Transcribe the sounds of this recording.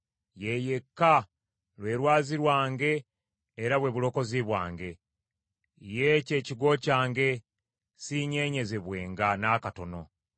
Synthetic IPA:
je̞je̞kːa | lwe̞ːɾwaːziɾwaːŋɡe̞ː | ɾaβwe̞βulo̞ko̞ziβwa̰ːŋɡe̞ | jece̞ːciɡo̞caːŋɡe̞ | siɲe̞ːɲe̞ze̞βwe̞ːŋɡanaːkato̞no̞̰

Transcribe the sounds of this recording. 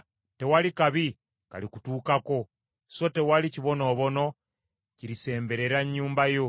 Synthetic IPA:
te̞walikaβi | ka̰likutuːkako̞ | sote̞waliciβo̞no̞ːβo̞no̞ | ciɾise̞ːmbe̞ɾe̞ɾaɲːuːmbajo

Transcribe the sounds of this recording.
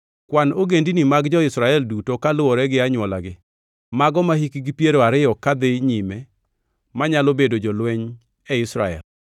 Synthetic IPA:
kwanoɡendinimaɡd͡ʒɔɪsɾaɛldutokalʊwɔɾɛɡɪaɲwɔla̰ɡɪ | maɡɔmahikiɡipjeɾoaɾɪjɔkad̪ɪɲimɛ | maɲalobedod͡ʒɔlwɛɲ | ɛɪsɾa̰ɛ̰l

